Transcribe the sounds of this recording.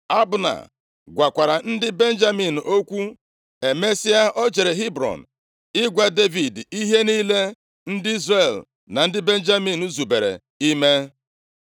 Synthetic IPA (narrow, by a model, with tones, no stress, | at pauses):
a˦bʊ˨na̰˨ | ɡʷa˨kʷa˨ɾa˨n̩˦dɪ˦be˦n̩˦d͡ʒa˦mi˨n̩˨ʔo˦kʷu˦ | e˨me˦si˦a˦ʔɔ˦d͡ʒe˨ɾe˨ɦi˦bɾɔ̰˨n̩˨ | ɪ˦ɡʷa˨de˦vi˨di˦ɦe˦ni˦le˦ | n̩˦dɪ˦i˦zre˦˨l | na˨n̩˦dɪ˦be˦n˦d͡ʒa˦mi˨nu˦zu˨be˨ɾḛ˨ | i˦me˦